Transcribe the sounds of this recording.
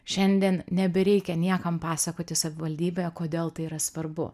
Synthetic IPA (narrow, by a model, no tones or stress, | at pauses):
ʃʲɛnʲd̪ʲiɛnnʲɛbʲɛɾʲɛɪkʲɛnʲiɛkɐmpɑːsɐkoːt̪ʲɪsɐʋʲɪʋɐlʲd̪ʲiːbʲeːjɛkoːd̪ʲeːlˠt̪ɐɪiɾɐsʋɐrbʊ̰